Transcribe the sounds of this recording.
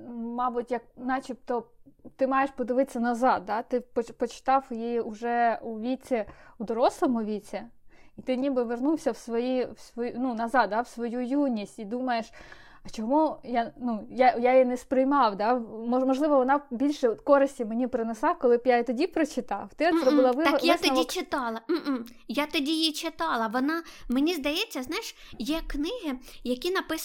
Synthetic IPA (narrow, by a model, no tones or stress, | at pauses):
mɑbʊtʲjɐk̚nɑt͡ʃʲɪp̚t̪ɔt̪ɪmɑjeʃpɔd̪ɪʋɪtʲt͡sʲːɐnɐzɑd̪̚d̪ɑt̪ɪpɔpɔt͡ʃɪ̥t̪ɑwjijiʊʒɛuʋʲit͡sʲɛwd̪ɔɾɔslˠɔmʊʋʲit͡sʲɛit̪ɪnʲibɪʋernuwsʲɐwsʋɔjiwsʋɔnunɐzɑd̪̚d̪ɑwsʋɔjujunʲisʲtʲid̪umɐjeʃ | ɐt͡ʃɔmujanujajajinɛspɾɪjmɑwd̪ɑmɔmɔʒlˠɪʋɔʋɔnɑbʲilʲʃɛɔt̪kɔɾɪsʲtʲimenʲipɾɪnɛslˠɑkɔlˠɪpjat̪ɔdʲipɾɔt͡ʃɪt̪ɑwt̪ɪɔzɾɔbɪlˠɑʋɪɔjast̪ɔit͡ʃɪt̪ɑlˠɐm̩ | jat̪ɔdʲijit͡ʃɪt̪ɑlˠɐʋɔnɑmenʲizd̪ɐjɛt͡sʲːɐznɑjɪʃjɛknɪɦɪjɐkʲinɐpɪ